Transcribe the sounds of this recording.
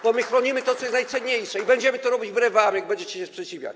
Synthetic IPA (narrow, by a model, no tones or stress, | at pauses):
bɔmɘxɾɔɲimɘt̪ɔt̪sɔjɛst̪najt̪sɛɲɲejʂɛibɛɲd͡ʑɛmɘt̪ɔɾɔbʲid͡ʑbɾɛvamʲjaɡ̚bɛɲd͡ʑɛt͡ɕɛɕɛspʂɛt͡ɕivʲja̰t͡ɕ